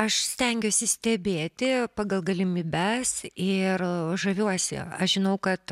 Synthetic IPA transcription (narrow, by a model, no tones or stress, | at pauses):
ɐʃsʲt̪ʲɛŋʲɡʲosʲɪsʲt̪ʲɛbʲeːt̪ʲɪpɑːɡɐlˠɡɐlʲɪmʲiːbʲæssɪrʒɐʋʲuɔsʲɪ̰ɐʃʒʲɪnɐʊkɐt̪